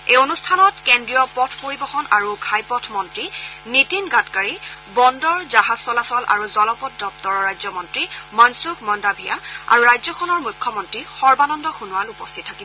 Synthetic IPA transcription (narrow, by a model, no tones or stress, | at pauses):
ejonustʰanɔtkendɹijɔpɔtʰpoɹibɔxɔnaɹuɡʱajpɔtʰmɔntɹinitinɡatkaɹibɔndɔɹzaɦaz̥sɔlasɔla̰ɹuzɔlɔpɔt̚dɔp̚tɔɹɔɹajzɔmɔntɹimɔnsukmɔndabʱiaa̰ɹuɹajzɔxɔnɔɹmujkʰːɔmɔntɹixɔɹbanɔndɔxunʊwalupɔstʰitʰːakibɔ